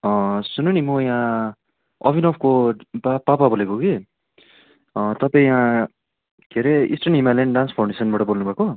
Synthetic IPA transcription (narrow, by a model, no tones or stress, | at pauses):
ʌ̃sunonimʌjã | ʌ̰bʱinʌpʰkobapapabolekoɡe | t̪ʌpʌĩjã | kʰeɾeḭsʈʌnimalenɖanspʰawɳɖesʌnbaʈʌbolnubʱako